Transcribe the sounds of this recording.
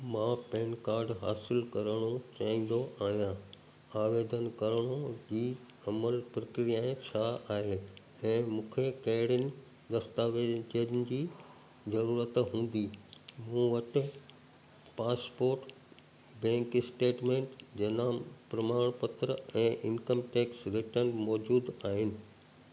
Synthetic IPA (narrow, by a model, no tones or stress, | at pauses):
mãːpɛ̃ːnkaːɾɖɦaːsɪlkɐɾəɽ̃ot͡ɕaːĩn̆d̪oʔaːɦijã | aːʋeːd̪ʱənkɐɾəɽ̃od͡ʑiː | ɐməlpɾɐkɾijaːẽt͡ɕʰaaːɦeː | ɛ̃ːmũːkʰekɐɦɪɽənɪ̆ | d̪ɐst̪aːʋet͡ɕed͡ʑʊnɪ̆d͡ʑiː | zɐɾuːɾət̪ɦũːn̆d̪iːmũʋɐʈɪ | paːspoːɾʈ | bɛ̃ːŋkɪsʈeːʈmẽːɳʈd͡ʑɐnãːmpɾɐmaːɽ̃pət̪ɾəɛ̃ːʔɪnkəmʈeːksɾɪʈənmɔːd͡ʑuːd̪aːɦɪnɪ̆